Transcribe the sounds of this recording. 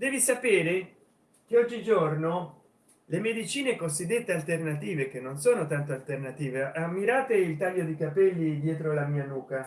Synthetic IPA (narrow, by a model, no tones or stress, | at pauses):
d̪ɛːvisapeːɾe | k̟eɔd͡ʒːid͡ʒorno | lemed̪it͡ʃiːnekozid̪ːet̪ːealt̪ernat̪iːvek̟enːonsoːnot̪ant̪oalt̪ernat̪iːveʔamːiɾaːt̪eilt̪aʎːod̪ikapɛlːid̪jɛːt̪ɾolamiːanuːka